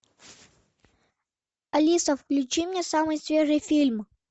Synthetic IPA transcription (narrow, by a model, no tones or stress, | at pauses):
ɐlʲisəfklʲʉt͡ɕimʲnʲesamɨjsvʲeʐɨjfʲilʲm